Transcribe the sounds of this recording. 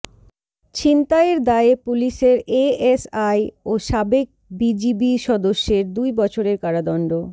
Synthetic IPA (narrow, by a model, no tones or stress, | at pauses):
t͡ɕint̪aeɾd̪aepuliʃeɾeesajoʃabek̚bid͡ʑibiʃɔd̪oʃːeɾd̪ujbɔt͡ɕʰoɾeɾkaɾad̪ɔɳɖo